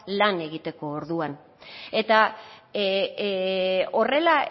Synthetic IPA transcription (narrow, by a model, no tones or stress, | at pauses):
lane̞ɣit̪e̞ko̞ːɾðuan | e̞t̪a | o̞re̞la